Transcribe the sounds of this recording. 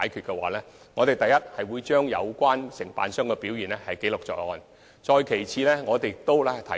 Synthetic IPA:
aː˨˥jkʰyː˨t̚kɛ˧wa̰ː˨˥lɛː˥ | ŋɔː˨˧t̪e˨˩jt̪ɐ˨jːɐ˥t̚hɐ˨jwuː˨˧jt͡ʃœː˥ŋjɐ̰˨˧wkʷaː˥nsɪ˨˩ŋpa̰ː˨nsœː˥ŋkɛː˧piː˨˥wjiː˨˩nlɛ˥hɐ˨jke˨˥jlʊ˨k̚t͡sɔ̰ː˨˩jɔ̰ː˧n | t͡sɔː˧jkʰe˨˩jt͡sʰiː˨˧lɛː˥ŋɔː˨˧t̪e˨jk̚t̪o˥wlɛ˥t̪ʰɐ̰˨˦

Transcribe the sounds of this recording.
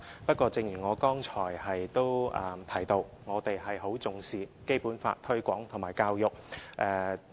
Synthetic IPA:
pɐ˥t̚kʷɔː˧t͡sɪ˧ŋjyː˨˩ŋɔː˨˧kɔː˥ŋt͡ʃʰɔː˨˩jhɐ˨jt̪o˥wʔɐ˨˧t̪ʰɐ˨˩jt̪o˧w | ŋɔː˨˧t̪e˨jɦɐ˨jɦo˨˥wt͡sʊ˨˧ŋsiː˨ke˥jpuː˨˥nfa̰ː˧t̚t̪ʰɵ˥kʷɔ̰ː˨˥ŋt̪ʰʊ˨˩maː˨˩jkaː˧wjʊ˨k̚ʔɛː˨˩

